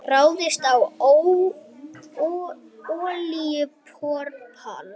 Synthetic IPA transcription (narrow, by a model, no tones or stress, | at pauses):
raːwðɪst̪awow | ɔːliʏpʰɔɾpʰa̰ːl